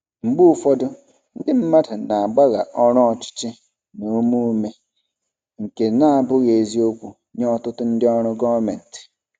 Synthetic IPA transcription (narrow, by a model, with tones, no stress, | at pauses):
m̩˨ɡ͡bu˦fɔ˦dʊ˦ | n̩˦dɪ˦m̩˦ma˦da˨na˨a˨ɡ͡ba˦ɣa˨ʔɔ˦ɾɔ˦ɔ˨t͡ʃɪ̥˦t͡ʃɪ˦ | no˨˦mu˦me˦ | ŋ̩˨ke˨na˦a˨bʊ˦ɣe˨zi˦o˦kʷu˨ | ɲ˦ɔ˦tʊ˦tʊ˦n̩˦dɪ˦ɔ˦ɾ̃ʊ˦ɡɔ˦va˦me˨n̩˨tɪ̥˨